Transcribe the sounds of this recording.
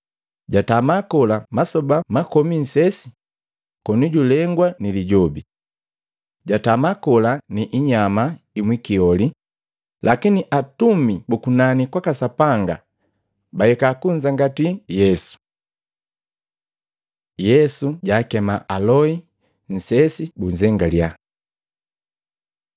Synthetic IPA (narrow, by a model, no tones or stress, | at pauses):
ɟatamakɔlamasɔbamakɔmin̩sɛsi̥ | kɔnuɟulɛŋɡwaniliɟɔbi | ɟatamakɔlaniʔiɲamaimwikiɔli | lʔakiniʔatumibukunanikwakasapaŋɡa̰ | bahɛkakuɲd͡ʒaŋɡatijɛsu̥ | jɛsuɟaːkɛmaʔalɔi | n̩sɛsibuɲzɛŋɡalja